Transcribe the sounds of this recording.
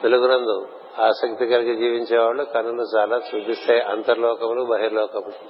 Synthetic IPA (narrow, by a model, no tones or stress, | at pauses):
t̪eluɡunɐnd̪u | aːsɐkt̪ikɐɾikid͡ʒiːʋiɲt͡ʃɛːʋaːɭːukɐnːulut͡ʃaːlaːsud̪ist̪eːjʔɐnt̪ɐɾlɔːkɐmlubɐɦiɾlɔːkɐmlu